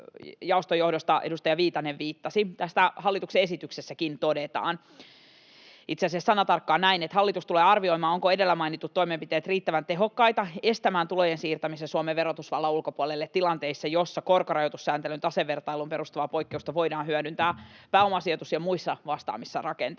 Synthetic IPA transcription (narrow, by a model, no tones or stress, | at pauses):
jɑost̪ojo̞hdost̪ɑʔḛdust̪ɑjɑʋiːt̪ɑneʋʋiːt̪ːɑsiit̪æst̪æhɑlːit̪ukseesit̪yksesːækint̪odet̪ɑ̰ːn | it̪seɑsiessɑnɑt̪ɑrkːɑːnæinet̪hɑlːit̪ust̪uleːɑrʋio̞imɑːoŋkoe̞delːæmɑinit̪ːut̪ːo̞imempit̪eːt̪riːt̪ːæʋænt̪e̞ɦokːɑit̪ɑe̞st̪æmæːnt̪ulojensiːrt̪æmisesuomeʋːeɾot̪usʋɑlːɑulkopuolelːet̪tːilɑnt̪eisːɑjosːɑkorkorɑjot̪usːæːnt̪elynt̪ɑseʋːert̪ɑilumpeɾust̪uʋɑpoikːeust̪ɑʋoidɑːnɦyødynt̪æːpæːo̞mɑsiot̪usjɑmuisːɑʋɑst̪ɑ̰ːmisːɑrɑkḛnt̪